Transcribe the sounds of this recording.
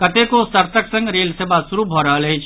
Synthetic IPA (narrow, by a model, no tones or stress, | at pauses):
kət̪ekosəɾt̪əksə̃ŋɡɾelsebasuɾubʱɔɾəɦəlɦəjt͡ʃʰ